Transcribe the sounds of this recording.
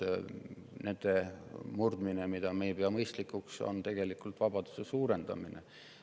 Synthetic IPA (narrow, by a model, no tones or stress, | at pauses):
ne̞nd̪̥e̞murd̪̥minemid̪̥ɑmejepeɑmɤjst̪likːˑukso̰nt̪e̞ɡ̥e̞likːult̪ˑvɑb̥ɑd̪̥u̥sesuːɾe̞nd̪̥ɑ̰minḛ